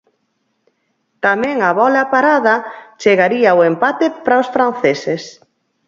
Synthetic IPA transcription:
t̪amɛ̃ŋaβɔlapaɾaðɐt͡ʃeɣaɾiaʊempat̪epɾaʊsfɾan̟θeses

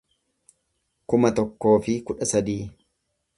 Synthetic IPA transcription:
kʊmɐt̪ɔkːo̞ːfɪkʊᶑɐsɐd̪iː

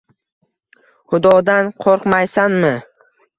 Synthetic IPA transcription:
χʊd̪ɒd̪anqʰoɾqmajsanmɪ

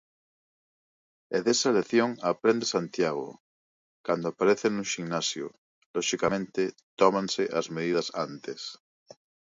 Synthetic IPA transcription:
eðesaleθjoŋapɾend̪esant̪jaɣ̞o̰ | kand̪oapaɾeθenũŋʃiŋnasjo̰ | loʃikamẽnt̪et̪omãnseʔazmeðiðasant̪es

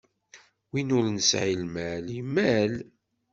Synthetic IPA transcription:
winʊɾnəsʕilmælimːæl

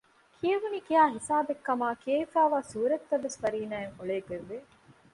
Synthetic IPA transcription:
kʰieʋunikiaːɦisaːbekːɐmaːkieifaːʋaːsuːɾɐt̪ːɐʋːesfɐɾiːnaːeŋoɭeːɡeʋːe

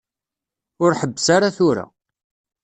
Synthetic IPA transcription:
ʊɾħəbːəsaɾaθʊɾa̰

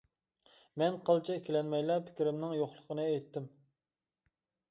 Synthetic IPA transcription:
mɛnqʰəlˠt͡ʃʰɑekʲilɛnmɛjlˠɑpʰɪ̥kʲiɾɪmnɪŋjoχlˠəqʰənɨɛjt̪ʰːɪm

